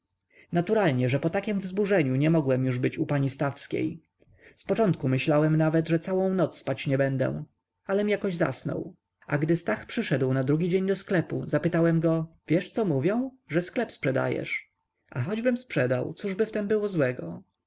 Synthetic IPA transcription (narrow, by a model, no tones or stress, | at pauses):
nat̪uɾalɲɛʐɛpɔt̪akʲɛmvzbuʐɛɲuɲɛmɔɡwɛmjuʐbɘt͡ɕupaɲist̪afskʲḛj | spɔt͡ʂɔnt̪̚kumɘɕlawɛmnavɛd̪ʐɛt̪sawɔ̃w̃nɔt̪sspat͡ɕɲɛbɛnd̪ɛ̰̃ | alɛmjakɔʑza̰snɔ̰w | a̰ɡd̪ɘst̪axpʂɘʂɛd̪wnad̪ɾuɡʲid͡ʑeɲd̪ɔsklɛpuzapɘt̪awɛmɡɔvʲjɛʂt̪sɔmuvʲjɛ̃w̃ | ʐɛsklɛpspʂɛd̪a̰jɛ̰ʂ | axɔd͡ʑbɘmspʂɛd̪a̰wt̪suʐbɘft̪ɛmbɘwɔzwɛɡɔ